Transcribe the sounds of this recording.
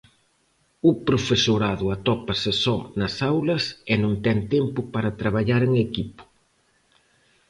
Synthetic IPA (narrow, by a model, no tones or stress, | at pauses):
ʊpɾofesoɾaðʊɐt̪ɔpɐsesɔnɐsawlɐsenũŋt̪ɛnt̪ɛmpʊpaɾɐt̪ɾaβ̞aʎaɾeŋekipʊ̥